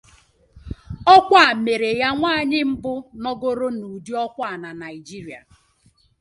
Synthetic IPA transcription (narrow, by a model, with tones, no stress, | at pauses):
ɔ˦kʷa˦˨a˨me˨ɾe˨ja˦ŋʷaː˦˨ɲɪ˦m̩˦bʊ˦nɔ˦ɡo˦ɾo˦nu˨di˦ɔ˦kʷa˦a˨na˨na˨i˨d͡ʒi˦ɾi˨a̰˨